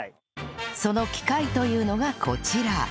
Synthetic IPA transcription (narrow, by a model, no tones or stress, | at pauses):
so̞no̞kʲi̥kait̪o̞jɯ̟ːno̞ɡakʰo̞t͡ɕiɾa